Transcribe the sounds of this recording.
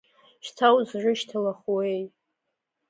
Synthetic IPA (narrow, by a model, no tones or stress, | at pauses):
ʃt͡sʰawzʒʷʊʃtʰalaχwej